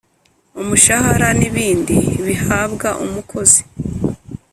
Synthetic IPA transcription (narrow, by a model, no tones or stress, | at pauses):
umuʃahaɾaniβiːndiβihaːβɡaʔumukʰo̞zi̥